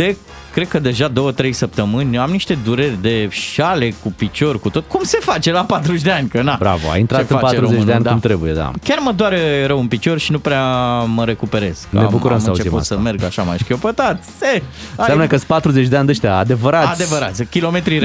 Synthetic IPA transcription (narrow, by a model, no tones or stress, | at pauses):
d̪e | kːɾe̞d̪̚kəd̪e̞ʒad̪o̞wət̪ɾe̞jsəp̚t̪əmɨnʲamniʃt̪e̞d̪uɾerʲd̪e̞ʃale̞kupit͡ʃo̞rʲkut̪ot̪kumse̞fat͡ʃe̞lapat̪ɾuʃd̪e̞anʲkənabɾa̰voa̰jint̪ɾaeɨfaateɾuzet͡ʃneanʲd̪amt̪ɾebujḛd̪a̰kʲarməd̪oaɾɾəwɨnpit͡ʃo̞rʃinupɾeaməɾe̞kupe̞ɾe̞z̥knə̰ea̰bukkuɾəmsmɨəaut͡ʃeepṵt̪səme̞rɡa̰ʃama̰jʃkʲjo̞pət̪at̪ʲseasamnəkəspat̪ɾuzet͡ʃʲd̪eanʲd̪eʃt̪eaad̪e̞vəɾaad̪evəɾat̪sʲkʲilo̞me̞t̪ɾiɾ